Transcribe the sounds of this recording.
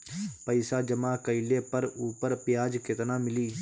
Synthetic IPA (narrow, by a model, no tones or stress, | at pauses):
pəɪsad͡ʒɐmaːkəɪlepəɾuːpəɾpɪjaːd͡ʒkɪt̪naːmɪliː